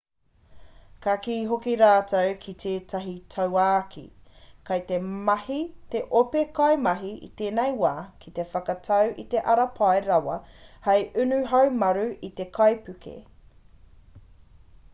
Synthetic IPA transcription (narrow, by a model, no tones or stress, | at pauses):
kakiːɦokiɾaːtʰɐwkʰit̪ʰeːtʰɐɦitʰɐwaːkʰḭkɐjt̪emɐhit̪eʔopekɐjmɐɦiḭt̪eːnejwaːkʰit̪e̞fɐkɐtʰɐwʔit̪e̞ʔɐɾɐpʰɐeɾɐwɐhɐjʔʉnʉɦɐwmɐɾʉit̪e̞kʰɐjpʉkʰḛ